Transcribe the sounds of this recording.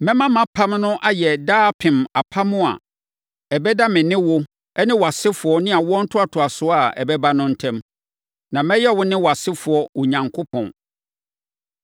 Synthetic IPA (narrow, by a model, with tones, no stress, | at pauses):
mɛ̃˦mã˦mã˦pʰã˦mnʊ̃˦ʔa˦jɛ˨daː˦pʰɪ̃˨ma˨pʰã˦mʊ̃˦a̰˨ | ɛ˨bɛ˦da˦mɪ̃˨nɪ̃˦wʊ˦ | ɛ˦nɪ̃˦wɔ˨a˨sɪ˦fʊ˨ɔ˦nɪ̃˦a˨wɔ̃˦n̩˦tʰʊ˦a˨tʰʊ˨a˨sʊ˦a˨ɛ̰˨bɛ˦ba˦nʊ̃˦n̩˦tʰɛ̃˦m | nã˨mɛ̃˦jɛ˦wʊ˦nɪ̃˦wɔ˨a˨sɪ˦fʊ˨ɔ˨ʊ˨ɲã˨ŋkʰʊ˦pʰɔ̰̃˨n